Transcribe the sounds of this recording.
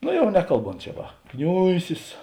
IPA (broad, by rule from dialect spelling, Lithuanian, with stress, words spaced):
ˈnoː ˈjɛʊ ˈnʲæːkɐlˠˌboːnt t͡ʃʲɛ ˈʋɐ ˈknʲʊɪsʲɪs